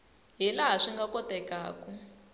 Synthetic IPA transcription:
ɦilaɦaʂiŋɡakɔtɛkaːku

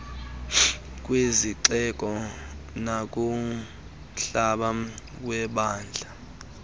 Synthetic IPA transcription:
k̬ʼweziǀɛkʼɔnak̬ʼu | ɬaɓa | wɛɓaːnd͡ɮʱa

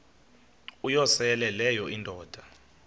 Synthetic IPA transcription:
ujɔsɛɛlɛlɛjɔʔindʱɔːd̥ʱa

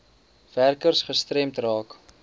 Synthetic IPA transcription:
værkərsχəstrɛmtrɑːk

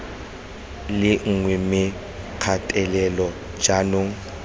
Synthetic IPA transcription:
lɪŋ̩ŋwɛmɪ | q͡χʰatʼɛlɛlɔ | d͡ʒanoŋ̩

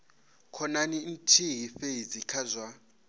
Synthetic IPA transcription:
kʰɔnanin̩tʰiɦifeid͡zikʰazwa

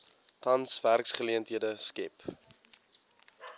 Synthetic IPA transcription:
tɐnsværksχəliəntɦiədəskɛp

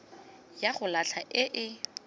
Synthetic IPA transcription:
jaχʊlat͡ɬʰaʔɪʔɪ

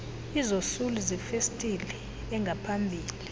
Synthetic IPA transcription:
izosuluzifestʼilɛ | ɛŋɡʱapʰambʱiːli

